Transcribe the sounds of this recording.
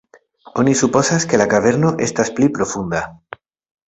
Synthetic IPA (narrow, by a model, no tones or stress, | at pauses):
o̞nisupo̞saske̞lakaβe̞ɾno̞ʔe̞st̪asplipɾo̞fund̪a